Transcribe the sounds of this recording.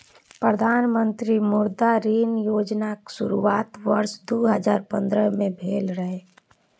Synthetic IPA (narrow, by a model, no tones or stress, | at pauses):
pɾəd̪ʱaːnmə̃nt̪ɾimʊɾd̪aɾiːnjoːd͡ʒnaksʊɾuaːt̪ʋəɾʃd̪oːɦəd͡ʒaːɾpə̃nd̪ɾəmẽbʱeːlɾəɦeː